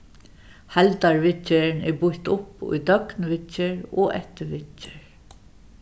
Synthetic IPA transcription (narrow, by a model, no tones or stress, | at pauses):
halt̪aɹʋɪɪnɛɹbʊht̪ʊpʊ̰jd̪œknʋɪɪɹɔ̰ʔɛ̰ht̪ɪʋɪɪɹ